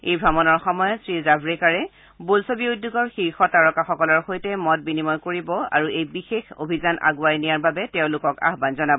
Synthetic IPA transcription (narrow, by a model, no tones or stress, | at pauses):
ejbʱɹamɔnɔɹxɔmɔjɔsɹizabʱɹɛkaɹɛ | bolsobiojdːuɡɔɹxixɔtaɹɔkaxɔkɔlɔɹxojtɛmɔt̚binimɔjkoɹibɔa̰ɹuejbixexo̰bʱizanʔa̰ɡuajnijaɹbabɛtɛʊ̃lʊkɔka̰ɦbanzɔnab